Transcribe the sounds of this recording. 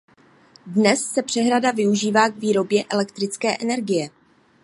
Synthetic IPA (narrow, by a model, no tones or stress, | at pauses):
dnɛsːɛpr̥ɛɦɾadavɪuʒiːvaːɡviːɾo̞bjɛʔɛlɛkt̪ɾɪt͡skɛːʔɛnɛɾɡɪjɛ